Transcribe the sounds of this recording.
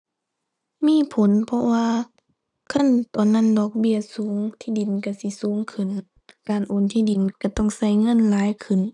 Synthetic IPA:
miː˧˥˨pʰo˨˦npʰɔ˧waː˧ | kʰa˧˥˨nt̪ɔː˨˩nːa˧˥˨ndɔː˧˩k̚bi˧˩əsuː˨˦ŋt̪ʰiː˧˨di˨˩nka˧˩si˧˦suː˨˦ŋkʰɯ˧˩˨n | kaː˨˩nʔoː˨nt̪ʰiː˧˥˨di˨nka˧˩t̪ɔ˧˥˨ŋsa˧˩˨jŋɤ˧˨nlaː˨˦jkʰɯ˧˩˨n

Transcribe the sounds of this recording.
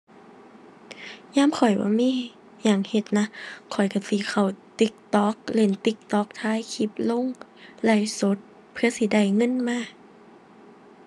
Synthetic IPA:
ɲaː˧˥˨mkʰɔ˨˩jbɔ̰ː˧˦miː˧˥˨ | jaː˨˩ŋhe˧˩t̪̚na˧˥kʰɔ˨˩jka˧˩siː˧˩˦kʰa˧˩wt̪i˧˦k̚t̪ɔː˨˦k̚le˧˩nt̪i˧˦k̚t̪ɔː˧˦k̚t̪ʰaː˧˥˨jkʰi˧˦p̚lo˧˥˨ŋ | la˧˩jso˧˦t̪̚ | pʰɯ˧ɐsi˧˦da˧˨˩jŋɤ˧˥˨nmaː˧˥˨

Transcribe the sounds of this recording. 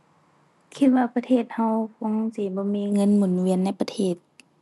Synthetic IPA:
kʰi˧t̪̚waː˧pa˧t̪ʰeː˧˩t̪̚ha˧wko˧˥˦ŋsiː˧˦bɔː˧˦miː˧˥˨ŋɤ˧˥˨nmu˨˩˦nwi˧ənːa˧˥˨jpa˧t̪ʰeː˧˩t̪̚

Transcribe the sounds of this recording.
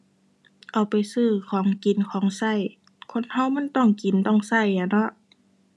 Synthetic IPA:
ʔa˨˩wpa˨jsɯː˧˩kʰɔː˨˦ŋki˨˩˦nkʰɔː˨˦ŋsa˧˥˩j | kʰo˧˥˨nha˧˥˨wma˧˥˨nt̪ɔ˧˩˨ŋki˨˩nt̪ɔ˧˥˩ŋsa˧˩ja˨˧˩nɔ˧˥ʔ

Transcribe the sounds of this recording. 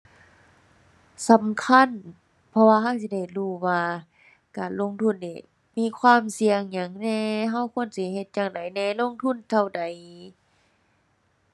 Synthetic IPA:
sa˨˦mkʰa˧˥˨n | pʰɔ˧waː˧ɦa˧˩˨wsi˧˨da˧˩jluː˧˩waː˧ | kaː˨˩nlo˧˥˨ŋt̪ʰu˧˥˩nːiː˧˩ | miː˧˥˨kʰwaː˧˥˨msi˧əŋɲa˨˦ŋnɛː˧ɦa˧˥˨wkʰu˧˨ə˨nsi˧˦he˧t̪̚jaː˧˩ŋda˨˦jnɛː˧˩˨lo˧˥˨ŋt̪ʰu˧˥˨nt̪ʰa˧˩wda˨˦j

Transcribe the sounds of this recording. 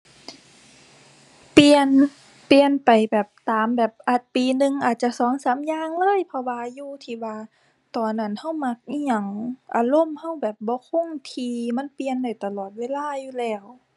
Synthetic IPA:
pi˧ən | pi˧ənpa˨˩jbɛː˨˩p̚t̪aː˨mbɛː˨˩p̚ʔa˨˧˩t̪̚piː˨nɯ˧ŋʔaː˨˩t̪̚t͡ɕa˧˨sɔː˨˦ŋsaː˨˦mjaː˧˨ŋlɤː˧˥˨jpʰɔ˧waː˧juː˧t̪ʰiː˧˩waː˧ | t̪ɔː˨˩nʔa˧˩˨nha˧˥˩wma˧˥k̚i˧˨ɲa˧˩ŋʔa̰ː˧˩lo˧˥˨mha˧˥˩wbɛː˨˩p̚bɔː˧˦kʰo˧˥˨ŋt̪ʰiː˧ma˧˥˨npi˧ənda˧˩jt̪a˧lɔː˨˩t̪̚weː˧˥˨laː˧˥˩juː˧lɛː˧˩w

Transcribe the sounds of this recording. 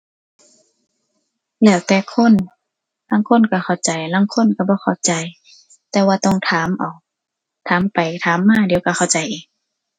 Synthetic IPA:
lɛː˧˩wt̪ɛː˧˩kʰo˧˥˨n | laː˧˥˨ŋkʰo˧˥˨nka˧˩xʰa˧˩wt͡ɕa˨˩jlaː˧˥˨ŋkʰo˧˥˨nka˧˩bɔː˧˦xʰa˧˩wt͡ɕa˨˩j | t̪ɛː˧waː˧t̪ɔ˧˥˨ŋt̪ʰaː˨˦mʔa˨˩w | t̪ʰaː˨˦mpa˨˩jt̪ʰaː˨˦mːaː˧˨di˨˦wka˧˩xʰa˧˩wt͡ɕa˨˦jʔiː˨˩k̚

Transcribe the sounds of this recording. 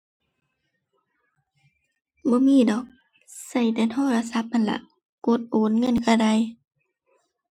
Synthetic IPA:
bɔː˧˦miː˧˥˨dɔː˨˦k̚ | sa˧˩jt̪ɛː˧˩t̪ʰɔː˧˥˨la˧˨sa˧˦p̚ʔa˧˨nla̰˧˨ʔ | ko˧˦t̪̚ʔoː˨˦nŋɤ˧˥˨nkʰaː˧˩da˧˨j

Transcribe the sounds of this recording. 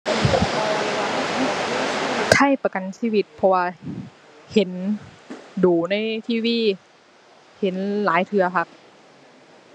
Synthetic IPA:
t̪ʰa˧˥˩jpa˧ka˨˩nsiː˧˥˨wi˧t̪̚pʰɔ˧waː˧ | he˨˦n | duː˨˩na˧˥˩jt̪ʰiː˧˥˩wiː˧˥˩ | he˨˦nlaː˨˦jt̪ʰɯ˧ɐpʰa˧˥k̚

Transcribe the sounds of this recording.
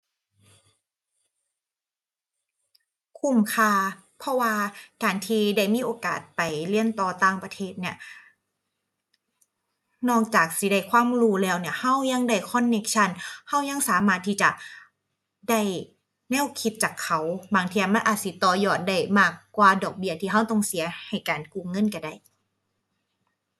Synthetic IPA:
kʰu˧˩mkʰaː˧˩ | pʰɔ˧˥waː˧kaː˨nt̪ʰiː˧da˧˥˩jmiː˧˥˨ʔoː˨˧ka̰ː˨˩t̪̚pa˨˩jli˧˥ənt̪ɔː˧˩t̪aː˧˩ŋpa˧t̪ʰeː˧˩t̪̚ni˧˩ɐ | nɔː˧˩k̚t͡ɕaː˨˩k̚si˧˦da˧˩jkʰwaː˧˥˨mɾuː˧˩lɛː˧˩wni˧˩ɐha˧˥˩wɲa˧ŋda˧˩jkʰɔ˧˥˨nːe˧˥k̚t͡ɕʰa˧˥˨nha˧˥˩wɲa˧˥˨ŋsaː˨˦maː˧˩t̪ʰːiː˧˥˩t͡ɕa̰˨˩ | da˧˥˩j | nɛ˧˥˩wkʰi˧t̪̚t͡ɕaː˨˩kʰːa˧˩wbaː˨˩ŋt̪ʰiː˧ja˧˩ma˧˥˨nʔaː˨˩t̪̚si˧˦t̪ɔː˧˩jɔː˧˩t̪̚da˧˩jmaː˧˥˩kːwaː˧dɔː˨˩k̚bi˧˥ɐt̪ʰiː˧ɦa˧˥˩wt̪ɔ˧˩ŋsi˨˩˦ɐha˨˩jkaː˨˩nkuː˧˩˨ŋɤ˧˥˨nka˧˩da˧˩j

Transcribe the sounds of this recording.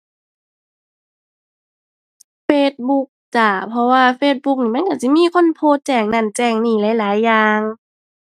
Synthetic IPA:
feː˧˥t̪̚bu˧˦k̚t͡ɕa˨˩pʰɔ˧waː˧feː˧t̪̚bu˧˥k̚niː˧˩ma˧˥˨ka˧˩si˧˨miː˧˥˨kʰo˧˥˨npʰoː˧˨t̪̚t͡ɕɛː˧˩ŋna˧˩˨nt͡ɕɛː˧˩ŋniː˧˩laː˨˦jlaː˨˦jːaː˧ŋ

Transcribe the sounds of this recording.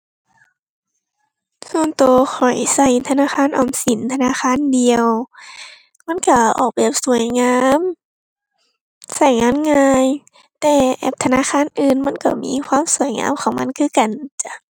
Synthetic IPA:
soː˧˥˨nt̪oː˧xʰɔ˨˩jsa˧˩jt̪ʰa˧naː˧˥˨xʰaː˧˥˨nʔɔː˧˨˩msi˨˦nt̪ʰa˧naː˧˥˨xʰaː˧˥˨ndi˨˧əw | ma˧˥˨nka˧˩ʔɔ̰ː˨˩k̚be˧˩p̚su˨˩˦əjŋaː˧˥˨m | sa˧˩jŋaː˧˥˨nŋaː˧j | t̪ɛː˧˩ʔɛ̰˧˩p̚t̪ʰa˧naː˧˥˨xʰaː˧˥˨nʔɯː˨nma˧˥˨nka˧˩mḭː˧˥˨kʰwaː˧˥˨msu˨˩əjŋa̰ː˧˥˨mkʰɔː˨˩˦ŋma˧˥˨nkʰɯː˧˥˨ka˨nt͡ɕa˧˨

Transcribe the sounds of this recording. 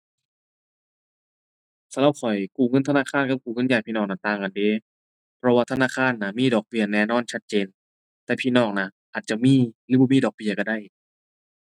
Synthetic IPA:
sa˧˥la˧˦p̚kʰɔ˨˩jkuː˨˩ŋɤ˧˥˨nt̪ʰnaː˧˥˨kʰaː˧˥˨nka˧˩kuː˨˩ŋɤ˧˥˨njaː˨˩jpʰiː˧nɔː˧˩ŋna˧˩t̪aː˧˩ŋka˨ndeː˧˦ | pʰɾɔ˧waː˧t̪ʰa˧naː˧˥˨kʰaː˧˥˨nːa˧miː˧˥˨dɔː˨˩k̚bi˧˩ɐnɛː˧˨nɔː˧˥˨nt͡ɕʰa˦˧˥t̪̚t͡ɕeː˧n | t̪ɛː˨˩pʰiː˧˨nɔː˧˩ŋna˧˩ʔaː˨˩t̪̚t͡ɕa˨˩miː˧˥˨lɯː˧˦˩bɔː˧˦miː˧˥˨dɔː˨˩k̚bi˧ɐka˧˩da˧˩˨j

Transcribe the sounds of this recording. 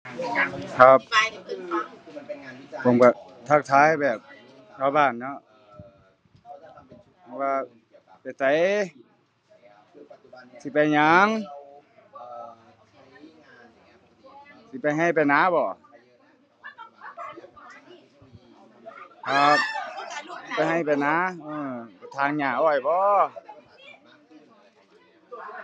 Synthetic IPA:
kʰa˧˥p̚ | ɔ˧˩˨ŋbaː˧˩ | t̪ʰa˧˩k̚t̪ʰaː˧˥˨jbɛː˨˩p̚ | t̪ʰa˧˩˧baː˧˩nːɔ˧˥ | pʰɔ˧˥waː˧ | pa˨˩jt̪a˨˧˦j | si˧˦pa˨˩jɲa˧˦ŋ | si˧˦˩pa˧jɦa˧˩˨jpa˧˨jnaː˧˥˦bɔː˧˩˨ | ʔa˧˩ | si˧˨pa˧jɦa˧˩jpa˨˧jnaː˧˥˦ʔɯː˧˩bɔ˧˦t̪ʰaː˧˦˨ŋɲaː˧˩ʔɔː˧˩jbɔː˧˦

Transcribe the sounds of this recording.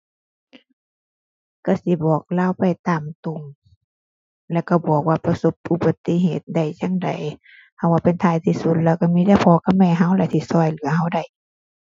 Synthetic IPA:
ka˧˩si˧˦bɔː˨˩k̚laː˧˨wpa˨jt̪aː˨˩mt̪u˧˨ŋ | lɛː˧˩˨wka˧˩bu˨˩ək̚waː˧˨pa˧so˧˦p̚ʔu˧˨ba˧t̪ːi˧˨ɦeː˨˩t̪̚da˧˨˩jt͡ɕa˧˥˨ŋda˨j | ha˧˩waː˧˨pe˨nt̪ʰaː˧˨jt̪ʰiː˧˨su˧˦t̪̚lɛː˧˩wka˧˩miː˧˥˨da˧˥˨pʰɔː˧˦ka˧˩mɛː˧˨ɦa˧˩˨wlɛ˧˨t̪ʰi˧˨sɔː˧˩jlɯ˨˦ɐɦa˧˩wda˧˩j

